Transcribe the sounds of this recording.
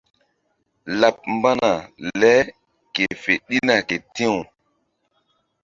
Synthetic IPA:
la˨p̚mba˦na˨lɛ˦ | ke˨fe˨ɗi˦na˨ke˨tĩ˦w

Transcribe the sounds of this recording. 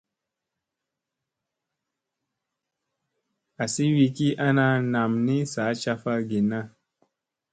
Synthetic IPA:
a˨si˦wi˧ki˦ʔa˦na˧na˨mni˦sa˨˦t͡ʃa˧fa˦ɡi˨na˦

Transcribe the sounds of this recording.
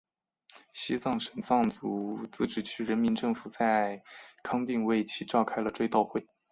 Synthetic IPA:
ɕi˥t͡sɑ˥˩ŋʂə˨˩nsɑ˥˩ŋt͡su˧˥t͡sɹ̩˥˧˩ʈ͡ʂɻ̩˥˩t͡ɕʰy˥ɻə˧˥nmi˧˥nʈ͡ʂɤ˥˩ŋfu˨˩t͡sa˥˧ɪkʰɑ˥ŋt̪i˥˧ŋwe˥˩ɪt͡ɕʰi˧˥ʈ͡ʂɑ˥˧ʊkʰa˥ɪlə˨ʈ͡ʂwe˥˧ɪt̪ɑ˥˧ʊxwe˥˩ɪ

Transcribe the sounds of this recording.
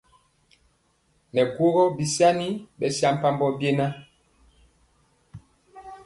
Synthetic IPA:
nɛ˨ɡwo˦ɣɔ˦bi˨sja˦ni˦bɛ˨sja˦m̩˦pa˦mbɔ˦bje˦na˦

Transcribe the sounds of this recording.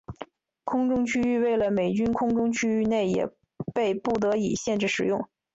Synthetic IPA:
kʰʊ˥ŋʈ͡ʂʊ˥ŋt͡ɕʰy˥y˥˧we˥˩ɪlə˩me˨˩ɪt͡ɕy˥nkʰʊ˥ŋʈ͡ʂʊ˥ŋt͡ɕʰy˥y˥˧ne˥˩ɪjɛ̰˨˩ | pe˥˧ɪpu˥˩t̪ɤ˧˥i˨˩ɕjɛ˥˧nʈ͡ʂɻ̩˥˩ʂɻ̩˨˩jʊ˥˩ŋ

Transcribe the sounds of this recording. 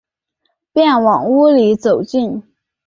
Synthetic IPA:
pjɛ˥˩nwɑ˨˩ŋu˥li˧˥t͡so˨˩ʊt͡ɕi˥˩n

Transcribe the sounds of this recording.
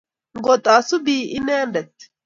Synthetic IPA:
ŋɡɔt̪ʼaːsʊ˦biːʔɪ˦neː˦nɖɐ˨t̪ː

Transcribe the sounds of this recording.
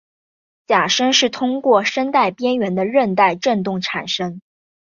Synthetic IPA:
t͡ɕja˨˩ʂə˥ŋʂɻ̩˥˩t̪ʰʊ˥ŋkwɔ˥˩ʂə˥nt̪a˥˩ɪpjɛ˥nɥɛ˧˥nd̪ə˧ɻə˥˧nt̪a˥˧ɪʈ͡ʂə˥˧nt̪ʊ˥˩ŋʈ͡ʂʰa˨˩nʂə˥ŋ

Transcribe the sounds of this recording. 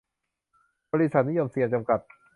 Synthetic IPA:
bɔː˧ɾi˦˥˩sa˨˩ni˦˥jo˧msi˨˧˩əŋt͡ɕa˧mka˨˩t̪̚

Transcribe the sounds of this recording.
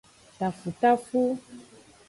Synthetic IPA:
ta˨fu˨t̪a˦fu˦

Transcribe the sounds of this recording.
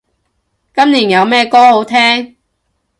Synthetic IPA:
kɐ˥mniː˨˩njɐ˨˧wmɛː˥˧kɔː˥ho˨˥wt̪ʰɛː˥ŋ

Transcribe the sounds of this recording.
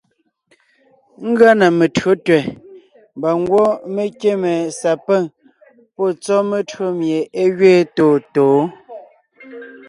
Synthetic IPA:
ŋ̩˦ɡɰa˦na˨me˨tɰo˨˦tɥɛ˨ | mba˨ŋ˦ɡwɔ˦me˦kje˦mɛ˨sa˨pɛ˦˨ŋ | pɔ˦˨t͡sɔ˦me˨tɰo˦mje˨e˦ɣɥeː˦toː˨toː˨˦

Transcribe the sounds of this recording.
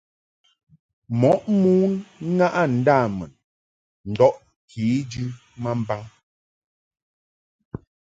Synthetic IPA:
mɔ˨˦ʔmu˦n˦ŋa˦ʔa˦n̩˨˦daː˦˨mɛ̰˨n | n̩˨dɔ˦ʔ | kʰi˨˦d͡ʒʉ˦ | ma˦m̩˦ba˦ŋ

